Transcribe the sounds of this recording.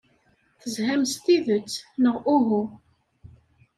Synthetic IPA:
θəzhæmst̪iðət͡sːnəʁuɦu

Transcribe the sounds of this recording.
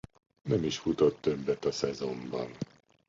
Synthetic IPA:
nɛmiʃfut̪ot̪ːøbːɛt̪ɒsɛzo̞mbɒ̰n

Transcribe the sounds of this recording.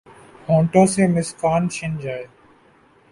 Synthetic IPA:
hõːɳʈõːsẽːmɪskaːnʃɪnd͡ʒaːeː

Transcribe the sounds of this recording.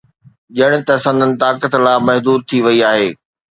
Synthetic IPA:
ʄɐɽ̃ɪ̆t̪ɐsə̃nd̪ənɪ̆t̪aːkət̪laːmɐɦd̪uːdɾ̚t̪ʰiʋɐiaːɦeː

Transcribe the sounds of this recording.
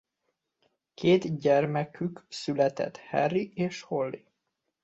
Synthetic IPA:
kʰeːt̪ɟɛrmɛkʰyksylɛt̪ɛ̰t̪hɛ̰rːieːʃho̞lːi

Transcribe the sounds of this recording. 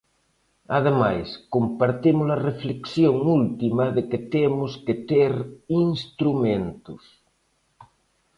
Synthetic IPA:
að̞emajskompaɾt̪imʊzlɐrefleksjoŋult̪imɐðeket̪emʊsket̪eɾiŋst̪ɾumẽnt̪ʊs

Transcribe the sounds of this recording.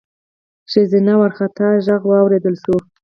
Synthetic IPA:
ʃəzinawaɾxat̪aʒaɣwɑwɾed̪əlʃu

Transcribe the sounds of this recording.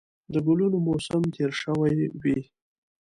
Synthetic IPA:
d̪əɡʊlunomosəmt̪ʰeɾʂəwajwi

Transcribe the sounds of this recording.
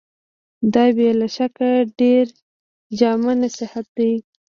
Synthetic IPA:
d̪ɑbelaʃakaɖeɾ | d͡ʒɑmanasɪhat̪̚d̪ai

